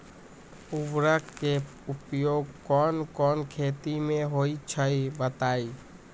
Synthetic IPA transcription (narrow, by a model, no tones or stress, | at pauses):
ʊbɾəkke | ʊpjoːɡkɔːnkɔːnkʰeːt̪imẽɦoːit͡ʃʰəibət̪aːi